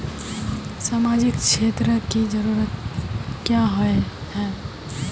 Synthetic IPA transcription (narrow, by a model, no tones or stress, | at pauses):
saːmad͡ʒɪkʃʰeːt̪ɾəkid͡ʒəɾuːɾət̪̚kjaɦoeɦɛ̃ː